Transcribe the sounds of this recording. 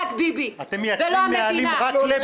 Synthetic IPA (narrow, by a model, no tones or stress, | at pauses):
t̪bibiat̪emjavelomealimʁakle